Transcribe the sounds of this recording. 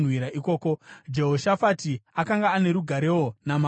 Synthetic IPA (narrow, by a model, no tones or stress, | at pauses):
nwiɾaʔiko̞ːko̞d͡ʒe̞ɦo̞ʃafatiakaŋɡaːne̞ɾuɡʱaɾe̞wo̞nama